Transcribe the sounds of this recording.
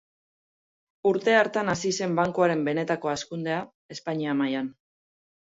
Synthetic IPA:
uɾt̪e̞aɾt̪anasise̞mbaŋkuaɾe̞mbe̞ne̞t̪ako̞askund̪e̞a | e̞spaɲiamajan

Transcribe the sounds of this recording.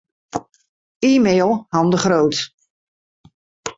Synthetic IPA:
iːmeːlˠhɑmdəχrowt

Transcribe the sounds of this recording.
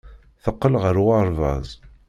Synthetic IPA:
θəqːəlʁəɾwɑɾˤvə̰ðˤ

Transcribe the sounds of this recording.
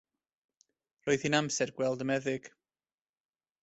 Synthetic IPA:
roːɨðhinamsɛrɡwɛlˠdəmɛðɪɡ̥

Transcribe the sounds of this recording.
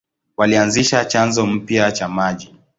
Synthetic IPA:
walianziʃat͡ʃanzɔm̩pjat͡ʃamaʄi

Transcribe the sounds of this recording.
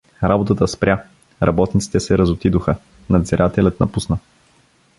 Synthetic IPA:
ɾabot̪ət̪əspɾja | ɾʔɐbɔt̪nit̪si̥t̪ɛsɛɾɐzot̪id̪oxə | nɐd̪ziɾʔat̪ɛlʲət̪nɐpusnə

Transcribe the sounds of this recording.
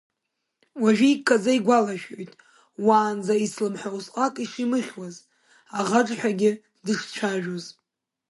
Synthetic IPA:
waʒᶣɪikʰːad͡zaiɡʷalaʒᶣojtʼ | waːnd͡zaislɨmħawsʼqʼakʼiʂimɨχʲwaz | aʁaʈ͡ʂʼħʷᶣaɡʲɪ | dɨʂt͡ʃʷʰaʒᶣoz

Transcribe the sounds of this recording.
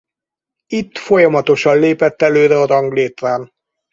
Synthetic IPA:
it̪ːfo̞jɒmɒt̪o̞ʃɒnleːpɛt̪ːɛløːɾɛɒzɒŋɡleːt̪ːaːn

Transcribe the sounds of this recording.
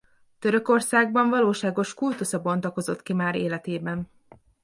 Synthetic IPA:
t̪ø̞ɾø̞ko̞rsaːɡ̚bɒɱvɒloːʃaːɡo̞ʃkult̪usɒbo̞nt̪ɒko̞zo̞t̪kimaːɾeːlɛt̪eːbɛn

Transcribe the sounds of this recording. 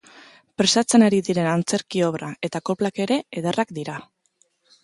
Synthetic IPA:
pɾe̞sat͡se̞naɾiðiɾe̞nant͡se̞ɾkio̞βɾae̞t̪ako̞plake̞ɾe̞eðe̞rʔakd̪iɾa

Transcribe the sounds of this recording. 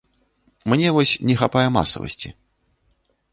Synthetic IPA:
mnʲɛvɔsʲnʲɛxapajɛma̰sɐ̰vɐ̰sʲt͡sʲi

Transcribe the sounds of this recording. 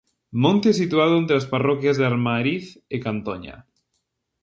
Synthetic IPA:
mõnt̪esit̪uaðʊent̪ɾeasparɔkjazðaɾmaɾiθekant̪ɔɲa̰

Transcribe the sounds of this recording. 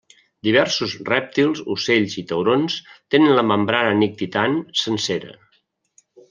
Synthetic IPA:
d̪iβ̞ɛɾsuzrɛp̚t̪ilˠzuseʎzit̪əwɾonst̪enənləməmbɾanənik̚t̪it̪ansənseɾə̰

